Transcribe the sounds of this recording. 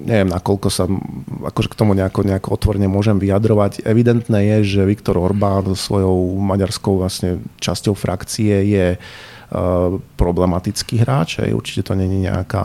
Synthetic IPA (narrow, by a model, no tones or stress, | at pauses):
ɲʔɛʋɪɛmnakɔlkɔsaa̰kɔʒɛkt̪ɔmuɲɛakɔɲɛakɔɔt̪ʋɔɾɛɲɛmʊɔʒɛmʋiad̪ɾɔʋaɟɛʋid̪ɛnt̪nɛːjɛʒɛʋikt̪ɔɾɔɾbaːnzɔsʋɔjɔʊmaɟaɾskɔʊʋlasɲɛt͡ʃascɔʊfɾʔakt͡siɛjɛ | pɾɔblɛmat̪it͡skiːɦɾaːt͡ʃɦɛ̰jṵɾt͡ʃi̥cɛt̪ɔɲɛɲiɲɛ̰a̰ka̰